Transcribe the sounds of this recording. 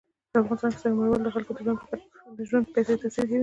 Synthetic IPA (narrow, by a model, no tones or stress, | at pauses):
d̪̥əafɣɑnɪst̪ɑnke̥sahmaɾwald̪əxalkod̪əʒwand̪d̪əʒwand̪̚pajset̪asiɾkawi